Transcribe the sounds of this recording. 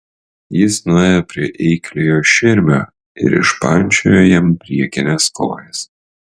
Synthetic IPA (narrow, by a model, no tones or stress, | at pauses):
jɪsnʊeːjɛpʲɾʲiɛʔɛɪklʲejoːʃʲɪɾʲmʲoː | ɪ̰ɾɪ̰ʃpɐnʲt͡ʃʲo̰joːjɛmpʲɾʲiɛkʲɪnʲesko̰ːjɛs